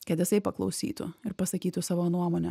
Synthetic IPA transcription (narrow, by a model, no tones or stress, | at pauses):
kɐt̪jɪsɐɪpɐklˠɐʊsʲḭːt̪ʊ̰ɪɾpɐsɐkʲiːt̪ʊsɑːʋoːnuɔmoːnʲɛ